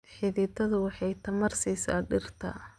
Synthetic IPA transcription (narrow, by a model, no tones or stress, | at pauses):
ħɪðɪt̪ʰɐðʊwɑħɑjt̪ʰɐmɐrsiːsa̰ːɖɪrt̪ʰɐ̰